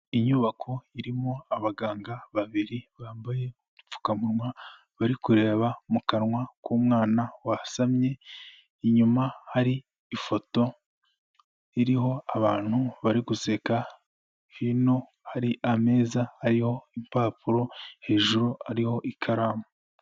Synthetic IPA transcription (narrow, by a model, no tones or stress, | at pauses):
iɲuːβakʰo̞iɾimo̞aβaɡaːŋɡaβaβiɾiβaːmbaje̞ | dup͡fu̥kamuɾŋwa | βaɾikuɾe̞ːβamukaɾŋwakuːmŋaːnawasamɲe̞ | iɲumahaɾiː | fo̞to̞ | iɾiho̞aβaːn̥huβaɾiɡuse̞ka | hino̞ | haɾiʔame̞ːzahaɾiho̞impaːpuɾo̞he̞ːʒuɾuaɾiho̞ʔikʰaɾaːmo